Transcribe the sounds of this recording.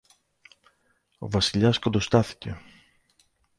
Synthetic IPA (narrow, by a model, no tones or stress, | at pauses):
o̞̰vɐsiʎɐskod̪ost̪ɐθi̥ce̞̰